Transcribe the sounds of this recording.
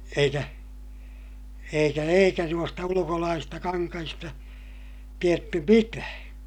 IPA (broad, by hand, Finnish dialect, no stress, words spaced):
eikæ eikæ eikæ nuostɑ ulukolɑːsistɑ kɑŋkɑhistɑ tietːy mitæː